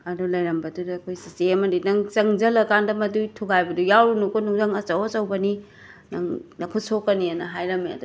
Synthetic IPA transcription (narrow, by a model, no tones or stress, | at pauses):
ɐdulɐjɾɐmbɐdudɐːkʰojsiseɐmɐdinɐŋt͡ʃɐŋd͡ʒɐlɐkʰandɐmɐdujtʰuɡajbɐdujawɾunukonuŋzɐŋɐt͡ʃɐwot͡ʃɐwbɐni | nɐŋnɐkʰutsokːɐniɐnɐɦajɾɐmeɐ̰du